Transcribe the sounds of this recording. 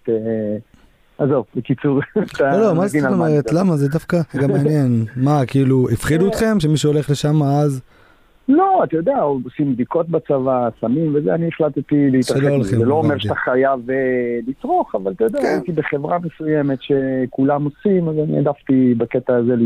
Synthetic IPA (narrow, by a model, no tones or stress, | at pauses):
te | azo̞vbekit͡suʁt̪aolomazeiameʁetlamazedafkaɡameanje̞nmakiiluifχiduet̪χe̞mʃ̬e̞miʃuo̞le̞χle̞ʃamaaz | lo̞at̪ajo̞d̪eaoosimd̪iko̞t̪̚bat͡savasamimvezeanieχlat̪t̪ileit̪ʁaleoolχemeloomeʁʃat̪aχajavlit͡sʁo̞χavalat̪ajod̪eaait̪ibeχevʁamesujemet̪ʃe̞kulamo̞simazanḭa̰d̪aft̪ibaket̪aːzel